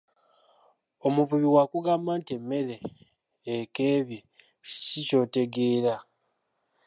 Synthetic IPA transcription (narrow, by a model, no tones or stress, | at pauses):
omuvuβiwakuɡaːmbaːntie̞mːe̞ɾe̞ː | ke̞ːβji | cico̞ːte̞ɡe̞ːɾa